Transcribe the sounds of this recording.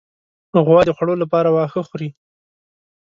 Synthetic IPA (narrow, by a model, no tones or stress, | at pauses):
ɣwɑd̪əxwaɽolapɑɾawɑxəxɾi